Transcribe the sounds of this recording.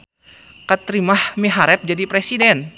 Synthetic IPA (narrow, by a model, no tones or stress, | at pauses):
kət̪ɾimahmiɦaɾɛp̚d͡ʒadipɾɛsidɛn